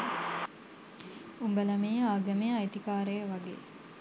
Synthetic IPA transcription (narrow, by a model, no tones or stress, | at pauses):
umbəlɐmeːaːɡɐmeajt̪ikaːɾejəʋaɡḛː